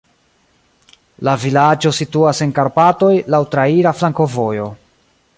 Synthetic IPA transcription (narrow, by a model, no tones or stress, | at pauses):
lavilad͡ʒo̞situase̞ŋkaɾpato̞jlawtɾaiɾaflaŋko̞vo̞jo̞